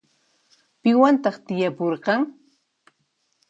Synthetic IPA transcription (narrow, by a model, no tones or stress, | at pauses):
pɪwant̪ɑχt̪ɪjapoɾqɑŋ